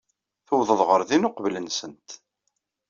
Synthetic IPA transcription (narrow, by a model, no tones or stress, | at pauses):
θəwðˤəðˤʁəɾˤðinʊqvlənsənt̪